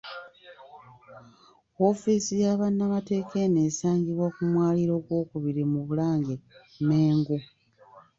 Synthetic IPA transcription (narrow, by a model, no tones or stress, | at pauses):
o̞fisijaβanːamate̞ːke̞ne̞ːsaːɲɡiβwakumwaːliɾo̞ːɡwo̞ːkuβiɾimuβulaːŋɡe | meːŋɡu